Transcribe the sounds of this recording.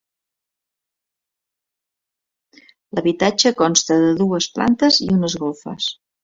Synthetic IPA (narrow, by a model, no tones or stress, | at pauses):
ləβit̪ad͡ʒəkɔnst̪əðəðuəspla̰nt̪əzḭunəzɣɔlˠfə̰s